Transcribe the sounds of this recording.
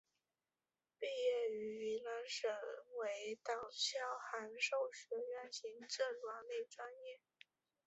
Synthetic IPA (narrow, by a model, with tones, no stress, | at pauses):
pi˥˧jɛ˥˩y˧˥i˧˥la˧˥nʂə˨˩ŋwe˧˥ɪt̪ɑ˨˩ʊt͡ɕjɑ˥ʊxa˧˥nʂo˥˩ʊɕɥɛ˧˥ɥɛ˥˩nɕi˧˥ŋʈ͡ʂɤ˥˩lwa˧˥ŋne˥˩ɪʈ͡ʂwa˥njɛ˥˩